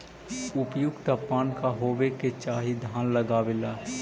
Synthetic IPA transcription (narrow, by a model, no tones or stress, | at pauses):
ʊpjʊɡt̪əpːaːnkaɦoːweket͡ʃaːɦid̪ʱaːnləɡaːʋelaː